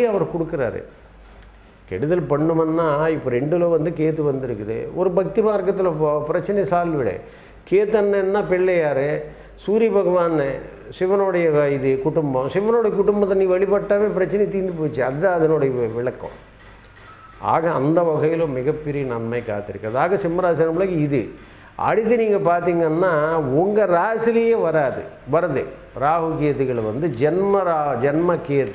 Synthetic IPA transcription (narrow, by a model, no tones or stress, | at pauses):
ɐʋɐɾkɔɽɯkːɯɾa̰ːɾɯ̰ | kɛɽɯðɐlpɐɳːɯmɐnːaːɪpːoɾɛɳɖɯloːʋɐnd̪ɯkeːt̪̬ːɯʋɐnd̪ɪɾɯkːɐðɯ̰ɔɾɯbʱɐk̚t̪imaːɾkːɐt̪ːɪlɐpːoːpɪɾɐt͡ʃːɐnɐsaːlʋɪɽɐ̰ | keːt̪ːɯɐnːɐɛnːaːpɛɭːɐjaːɾe | suːɾiɐbʱɐɣɐʋaːn | sɪʋɐnoːɽɐjɐɪðɯkʊʈʊmbɐ̃sɪʋɐnoːɽɐjɐkʊʈʊmbɐt̪ːɐniːʋɐɭɪpɐʈːaːʋeːpɪɾɐt͡ʃːɐnɛjt̪iːnd̪ɯpoːt͡ʃːiɐðɐɐðɐnoːɽɐjɐʋɪɭɐkːõ̰ | a̰ːɣɐɐ̰nd̪ɐʋɐɣɐjɪlõmɪɣɐpːɛɾɪjɐnɐnmɐɪkːa̰ːt̪ːɪɾɯkːɾɐðɯaːɣɐsɪmːɐɾaːs̬ɐɐnɐmʊɭɐɣiɪðɯ | ɐ̰ɽɪt̪ːɯniːŋɡɐpaːɾt̪iːŋɡɐnːaːɔŋɡɐɾaːsɪlɪjɐʋɐɾaːðɯ̰ʋɐɾɐðɯ | ɾaːɦɯkeːt̪ɯɣɐɭʋɐnd̪ɯd͡ʒɛnmɐɾad͡ʒɛnmɐkeːt̪ː